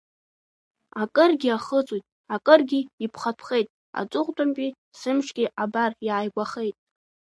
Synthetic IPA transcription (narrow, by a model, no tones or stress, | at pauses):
akʼɨrɡʲiaχət͡sʷʼwujtʼ | akʼɨrɡʲiːpʰχapʰχejtʼ | a̰t͡sʷʼʊqʼtʷʼampʼi | sɨmʂʰɡʲiʔabariʕajɡʷʼaχe̞jtʼ